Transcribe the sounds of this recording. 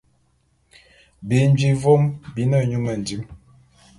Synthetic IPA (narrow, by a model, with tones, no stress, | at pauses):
bi˨˦n˦d͡ʒi˦vo˦mbi˨˦nə˦˨ɲu˦mə˨n̩˨di˦m